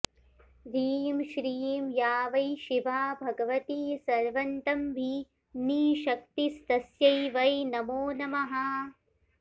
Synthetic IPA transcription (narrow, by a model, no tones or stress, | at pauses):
ɾiːmʃɾiːmjaːʋɐjʃiʋaːbʱɐɡɐʋɐt̪iːsɐɾʋɐnt̪ɐmbʱi | niːʃɐk̚t̪ist̪ɐsjɐjʋɐjnɐmoːnɐmɐɦɐ